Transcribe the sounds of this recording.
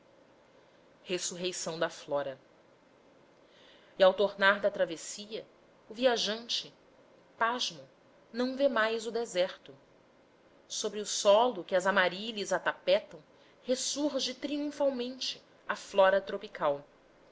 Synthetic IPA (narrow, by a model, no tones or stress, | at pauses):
hesuɦejsɐ̃w̃d̪ɐflɔɾɐ | iawt̪oɾnaɾd̪ɐt̪ɾavesiɐ | ʊviaʒɐ̃nt͡ʃɪ | paʒmʊ | nɐ̃w̃vemajzʊd̪ezɛɾt̪ʊ | sobɾɪʊsɔlʊkɪɐzamaɾiʎɐzat̪apɛt̪ɐ̃w̃ | hesuɾʒɪt̪ɾiũfawmẽnt͡ʃɪ | ɐflɔɾɐt̪ɾopikʰaw